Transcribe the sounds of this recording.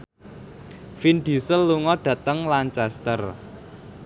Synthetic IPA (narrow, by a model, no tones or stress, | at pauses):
find̪̥i̤səlːuŋɔɖ̪̥ä̤t̪əŋlant͡ʃast̪ər